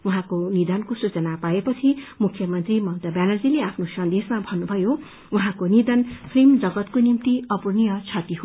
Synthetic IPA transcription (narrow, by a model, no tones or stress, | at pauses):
uɦãkonid̪ʌnkosut͡sʌnapaepʌt͡sʰimukʰːjʌmʌnt̪rimʌwt̪ʌbjanʌd͡zileapʰnosʌnd̪esmabʱʌnːubʱʌjo | uɦãkonid̪ʌnpʰrimd͡zʌɡʌt̪konimt̪iʌpurnijʌt͡sʰʌt̪iɦo